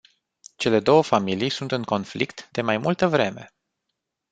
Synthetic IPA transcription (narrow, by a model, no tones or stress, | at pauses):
t͡ʃe̞le̞d̪o̞wəfamilijsunt̪ɨŋko̞nflḭkt̪d̪e̞majmult̪əvɾe̞me̞̰